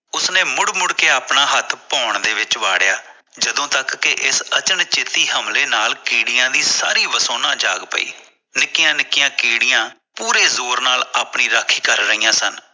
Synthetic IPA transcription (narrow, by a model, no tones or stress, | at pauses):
ʊsnẽːmʊɽmʊɽkeːaːpɳaːɦət̪ʰpɔːɳd̪eːʋɪt͡ʃʋaːɽɪjaː | d͡ʒəd̪õːt̪əkːɪʔɪsət͡ʃənt͡ʃɪt̪iːɦəmleːnaːlkiːɽɪjãːd̪iːsaːɾiːʋəsoːnãːd͡ʒa̰ːɡpə̰ḭː | nɪkːɪjãːnɪkɪjãːkiːɽɪjãː | puːɾeːzoːɾnaːlaːpɳiːɾaːkʰiːkəɾːəiːãːsən